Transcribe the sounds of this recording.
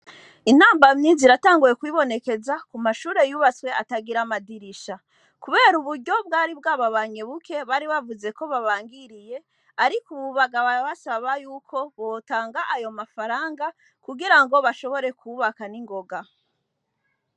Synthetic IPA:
in̥aːmbamɲiːnziɾataːŋɡujekwiβo̞ne̞ke̞zakumaʃuːɾe̞juːβat͡swe̞ataɡiɾamadiɾiʃa | kuβe̞ːɾuβuɾɟo̞b̚ɡaːɾibɡaːβaβaɲe̞βuke̞βaɾiβavuze̞ko̞βaβaːŋɡiɾije̞ | aɾikuβuβaɡaβaβasaβajuːkʰo̞βo̞taːŋɡaʔajo̞mafaɾaːŋɡa | kuɡiɾaŋɡo̞βaʃo̞βo̞ɾe̞kʰuβakaniŋɡo̞ɡa

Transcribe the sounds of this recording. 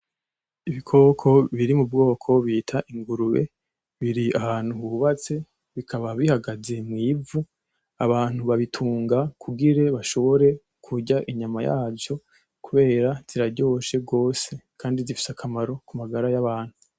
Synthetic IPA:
iβikʰo̞ːkʰo̞βiɾimub̚ɡo̞ːkʰo̞βitʰaʔiŋɡuɾuβe̞̰ | βiɾiahaːn̥huuβat͡se̞ | βikʰaβaβihaɡaze̞mŋiːvu | aβaːn̥huβaβitʰuːŋɡakʰuɡiɾe̞βaʃo̞βo̞ɾe̞ | kʰuɟaʔiɲamajaːvjo̞ | kuβe̞ːɾaz̥iɾaɾɟo̞ːʃe̞ɡo̞ːse̞kʰaːndizifi̥sakʰamaɾo̞kumaɡaɾajaβaːn̥hu

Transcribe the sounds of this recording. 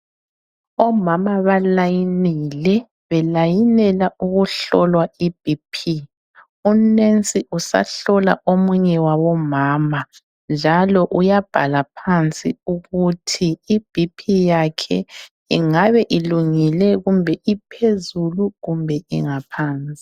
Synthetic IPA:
ɔmamaβalajinilɛ | βɛlajinɛlauɣuɬɔlwaib̥ʱipʰi | unent͡sʼiʔusa̰ɬɔla̰ʔomuɲɛwaβɔmaːma | nd͡ʒʱalɔʔujab̥ʱa̰lapʰant͡sʼḭuɣutʰiːb̥ʱipʰijakʰɛ̰ | iŋaβɛʔiluŋilɛɣumbʱɛʔipʰezuluɣumbʱɛḭŋapʰaːnt͡sʼi̥

